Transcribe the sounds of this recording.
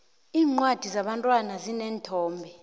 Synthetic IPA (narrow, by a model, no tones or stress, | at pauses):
iːŋ͡ǀwad̥ʱizaɓantʼwanazinɛːntʰɔːmbʱɛ